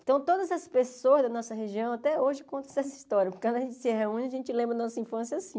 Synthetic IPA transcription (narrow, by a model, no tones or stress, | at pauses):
t̪ɐ̃w̃t̪od̪ɐzɐspesoɐzd̪ɐnɔsɐɦeʒiɐ̃w̃at̪ɛoʒɪkõt̪ɐ̃ɛs̬ɐist̪ɔɾjɐpokekɐ̃d̪ɐʒẽnt͡ʃɪ̥sɪɦeũnɪɐʒẽnt͡ʃɪlẽbɾɐd̪ɐnɔsɐĩfɐ̃sjɐasĩ